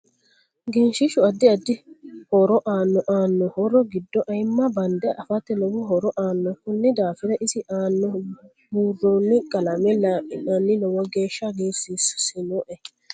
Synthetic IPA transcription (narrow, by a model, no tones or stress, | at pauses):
ɡɛnʃɪʃʊɐd̪ːɪɐd̪ːɪhɔɾɔʔaːnːɔʔaːnːɔhɔɾɔɡɪd̪ːɔʔɐjmːɐbɐnd̪ɛʔɐfat̪ːɛlɔwɔɦɔɾɔʔaːnːɔkʊnːɪd̪aːfɪɾɐʔɪsɪʔaːnːɔ | buːrːonːɪkʼɐlɐmɛlaʔɪnɐnːɪlɔwɔɡeːʃːɐɡeːsissɪnɔʔɛ